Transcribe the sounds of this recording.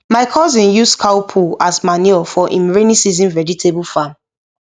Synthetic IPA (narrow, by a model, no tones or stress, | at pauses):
maɪkʰɔzĩnjuskʰaʊpʰuasmaniɔfɔʔḭ̃mɹenisizĩnvɛd͡ʒitʰebulfam